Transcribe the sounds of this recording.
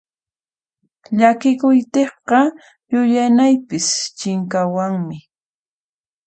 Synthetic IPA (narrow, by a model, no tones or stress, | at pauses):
ʎakɪkʊjt̪eχqɑ | jʊʎanajpɪst͡ʃɪŋkawaŋmɪ